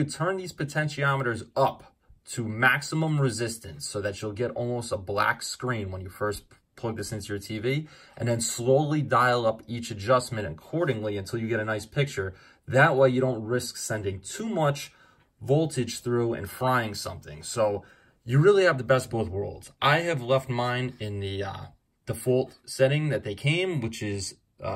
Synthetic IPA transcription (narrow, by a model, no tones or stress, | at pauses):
ɨtʰɜ̃˞nðiz̥pɨtʰɛ̃nʃiɑməɾə˞zʌp | tʰɨmæksəmə̃mɹɨzɪstɨ̃nsoʊðɨt͡ʃəl̩ˠɡɛɾɔ̰lˠmoʊstəblæ̰kskɹĩnwə̃njɨfɜ˞s | pʰl̥ʌɡ̚ðɨsɪ̃ntʰʉjə˞tʰiviʔɨ̰̃nðɨ̃nsloʊlˠidaɪlˠʌpit͡ʃɨd͡ʒʌsmɨ̃ñɨ̰kʰɔɹɾɪ̃ŋliɨ̃ntʰɪlˠjɨɡɛɾɨnaɪspʰɪk̚t͡ʃə˞ | ðɨʔ̚weɪjɨɾõʊ̃nt̚ɹɪsksɛ̃ndɪ̃ŋtʰumʌt͡ʃ | vɔlˠtʰɨd̥ʒ̥θɹuɨ̰̃nfɹaɪɪ̃ŋsʌ̰̃mθɪ̰̃ŋsoʊ | jɨɹɪlˠiɨvðəbɛst̚b̥oʊθwɜ̰˞lˠdz̥ʔaɪɨvlɛft̚mãɪ̃nɪ̃nðɨ | d̥əfɔlˠtsɛɾɪ̃ŋðɨt̪̚ðeɪkʰẽɪ̃mwɨt͡ʃɪz̥